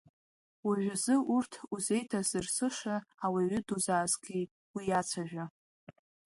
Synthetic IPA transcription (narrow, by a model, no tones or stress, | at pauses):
waʒʷᶣazɨʔurtʰuze̞jtʰazɨrsɨʂaawiɥʏduzaːzɡʲi | wijat͡sʷʰaʒᶣa